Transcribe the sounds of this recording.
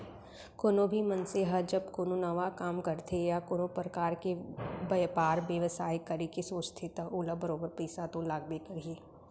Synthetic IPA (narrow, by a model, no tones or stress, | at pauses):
koːnõbʱimɐnseɦəd͡ʒɐbkoːnonəʋakaːmkɐɾt̪ʰejakoːnõpɾəkaːɾkebɐjpaːɾbjəʋəsaːjkɐɾekesoːt͡ʃt̪ʰet̪aʔuːlabəɾoːbəɾpɛːsat̪õlaːɡ̚bekɐɾieː